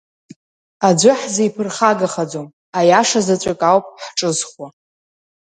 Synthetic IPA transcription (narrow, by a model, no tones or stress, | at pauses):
ad͡ʒʷʊħzajpʰɨrχaɡaχad͡zom | ajaʂazat͡ɕʷʼakʼawpʼħʈ͡ʂʼɨzχwa